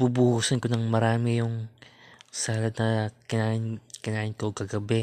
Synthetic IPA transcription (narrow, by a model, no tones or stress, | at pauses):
bubuhuːsɐnkonɐŋmɐɾaːmɪjʊŋ | saːlɐd̪̚nɐkɪnaːʔɪnkɪnaːʔɪnkoɡ̚kɐɡɐbɛ